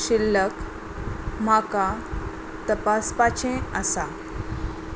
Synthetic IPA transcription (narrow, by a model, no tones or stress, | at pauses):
ɕilːək | maka | t̪əpaspat͡ɕʰẽəsa